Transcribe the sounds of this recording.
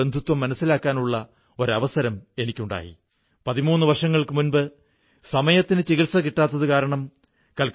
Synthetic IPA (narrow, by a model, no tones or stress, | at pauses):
end̪ʱut̪wɐmːɐnɐsːilaːkːaːnuɭːɐ | o̞ɾɐʋɐsɐɾɐme̞nikʲːuɳɖa̰ːjḭ | pɐðimuːnːɨʋɐrʂɐŋːɐɭkɨmunbɨ | sɐmɐjɐt̪ːinɨt͡ɕiɣiɭsɐkiʈːaːt̪ːɐðɨkaːɾɐɳɐm | kɐlk